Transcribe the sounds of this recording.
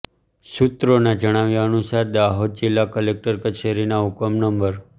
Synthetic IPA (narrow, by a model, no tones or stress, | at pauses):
sut̪ɾonad͡ʒəɽ̃aʋjaənusaɾd̪aɦod̪̚d͡ʒilːakəlek̚ʈəɾkət͡ʃʰeɾinaukəmnəmbəɾ